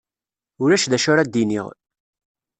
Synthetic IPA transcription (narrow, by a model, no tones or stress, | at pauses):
ʊɾæʃðæʃʊɾad̪ːinḭʁ